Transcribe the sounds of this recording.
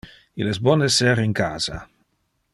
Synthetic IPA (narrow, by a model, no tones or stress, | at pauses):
ilɛsbɔnesɛɾiŋkaːz̥a̰